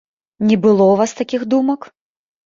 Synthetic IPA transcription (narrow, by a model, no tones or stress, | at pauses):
nʲɛbɨlˠɔwvast̪akʲixd̪umɐk